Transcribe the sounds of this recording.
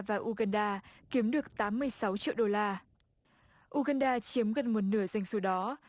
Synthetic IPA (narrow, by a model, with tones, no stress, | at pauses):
vaː˨˩ʔu˧ɣaː˧nɗaː˧ki˨˦əmɗɨ˨˩ək̚t̪aː˨˦mːɨ˧əjsa˨˦wt͡ɕḭ˧˨wɗo˧laː˧ | ʔu˧ɣaː˧nɗaː˧t͡ɕi˨˦əmɣə˨˩n̚mo˨˩t̚nɨ˧˩əzwa˧jŋ̟su˧˩ɗɔ˨˦